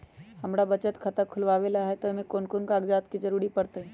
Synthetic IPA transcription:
həmɾabət͡ʃət̪kʰət̪əkʰʊlʋaːʋelaɦɛt̪omẽkoːnkonkaːɡd͡ʒaːt̪kid͡ʒəɾuːɾipəɾt̪əɦɛ̃

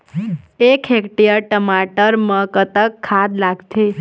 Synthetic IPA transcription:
ekʰekʈijəɾʈəmaʈəɾməkət̪əkʰːad̪laɡt̪ʰe

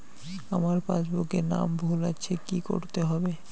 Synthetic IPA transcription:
amaɾpa̰d͡ʑbokena̰mbʱulat͡ɕʰekiko̰ɾt̪eɦɔbe

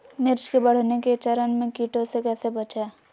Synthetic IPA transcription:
mɪɾt͡ʃkebɐɽ̤neket͡ʃɐɾənmẽkiːʈõsekɛːsebɐt͡ʃeː

